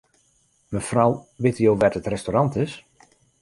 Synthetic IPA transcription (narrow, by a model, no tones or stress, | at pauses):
məfrawʋɪtəjoːʋɛtətrɛstorɑntɪs